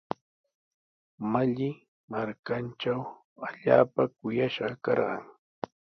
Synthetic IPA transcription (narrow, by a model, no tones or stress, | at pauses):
maʎɪ | maɾkant͡ʃaw | aʎaːpakʊjaʃɢɑkɑɾɢɑ̰ŋ